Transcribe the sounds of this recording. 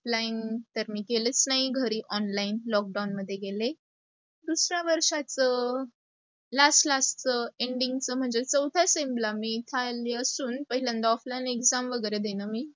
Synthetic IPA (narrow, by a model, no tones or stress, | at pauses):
ɔflaint̪əɾmiːkelət͡snaɦiɡʱəɾiːʔɔnlainlɔk̚ɖawnməd̪ʱːjeɡele | d̪usɾaʋəɾʂat͡sə | laslast͡səeɳɖiŋɡt͡səm̤əɳd͡zet͡səwd̪ʱasemblamiːt̪ʰaleəsuːnpəɦilãnd̪aɔflainekd͡zamʋəɡəɾed̪enəmiː